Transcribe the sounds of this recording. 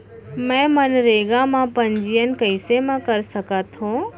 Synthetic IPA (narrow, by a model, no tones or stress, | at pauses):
mɛ̃ːmənɾeːɡãmãpɐ̃ɲd͡ʒijənɪ̆kəɪsemãkɐɾsɐkat̪ʰõː